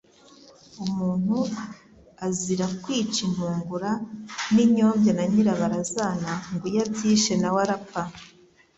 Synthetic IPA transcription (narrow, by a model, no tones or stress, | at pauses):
umuːn̥u | aziɾakwiːt͡ʃin̥uːŋɡuɾaniɲo̞ːmbjanaɲiɾaβaɾazaːnaŋɡujabɟiːʃenawaɾapa